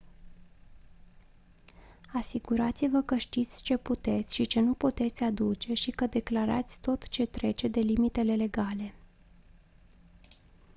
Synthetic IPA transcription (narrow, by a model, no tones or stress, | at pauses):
asiɡuɾat̪sivəkəʃt̪it̪sʲt͡ʃe̞put̪e̞t̪sʲʃit͡ʃe̞nuput̪e̞t̪sʲad̪ut͡ʃe̞ʃikəd̪e̞klaɾa̰t̪sʲt̪o̞t̪t͡ʃe̞t̪ɾe̞t͡ʃe̞d̪e̞limit̪e̞le̞le̞ɡale̞